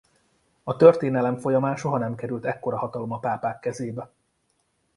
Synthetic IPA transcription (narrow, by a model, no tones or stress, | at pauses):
ɒt̪ørt̪eːnɛlɛɱfo̞jɒmaːnʃo̞ɦɒnɛmkɛɾylt̪ɛkːo̞ɾɒɦɒt̪ɒlo̞mɒpaːpaːkːɛzeːbɛ